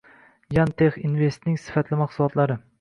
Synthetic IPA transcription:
jant̪ʰeχinve̞st̪nɪŋsɪ̥fat̪lɪmaqsulˠɒt̪laɾɪ

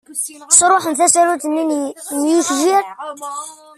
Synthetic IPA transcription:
sɾˤoħənθæsæɾut̪ənːinjiçʒiɾ

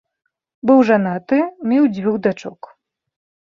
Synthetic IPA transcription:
bɨwʐanat̪ɨmʲiwd͡zʲvʲuɣd̪at͡ʂɔk

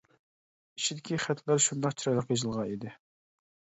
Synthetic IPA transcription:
iʃid̪ɪkʲiχæt̪ʰlæɾʃund̪ɑqt͡ʃʰiɾɑjlˠəqjɑzɨlˠʁɑnid̪ɪ

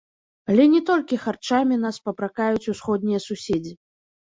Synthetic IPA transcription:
alʲɛnʲɛt̪ɔlʲkʲixart͡ʂamʲinaspɐpɾakajut͡sʲusxɔd̪nʲijɐsusʲed͡zʲi

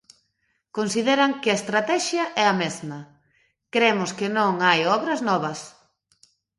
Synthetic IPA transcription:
konsiðeɾɐŋkɪɐest̪ɾat̪ɛʃjɐʔɛɐmezmɐ | kɾemʊskɪnõŋajɔβɾɐznɔβɐs

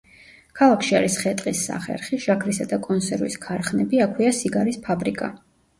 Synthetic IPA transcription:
kʰalˠakʰʃia̰ɾisχɛt̪ʼqʼisːa̰χɛ̰ɾχiʃakʰɾisad̪akʼɔnsɛɾvḭskʰaɾχnɛbiakʰwiasiɡaɾispʰabɾikʼa̰

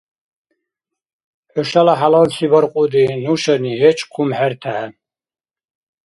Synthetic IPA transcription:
ħɔʃalaħalɔnsibɔɾqʼud̪inuʃɛniɦɛt͡ʃʼkʰumħɛɾt̪ʰaʕ

